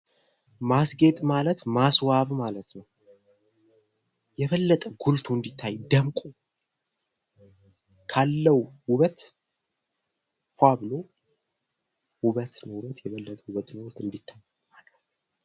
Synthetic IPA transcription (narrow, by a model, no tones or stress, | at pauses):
masɡe̞t̪ʼmalət̪maswaβmalət̪nəw | jɛβəlːət̪ʼəɡult̪ʰuɨnd̪it̪ʰːajd̪əmkʼu | kʰalːəwwʊβət̪ | hʷaβɨlo | wʊβət̪nəwuɾət̪jɛβəlːət̪ʼəwuβət̪nəwʊlt̪ɨnd̪it̪ʰːaj | malət̪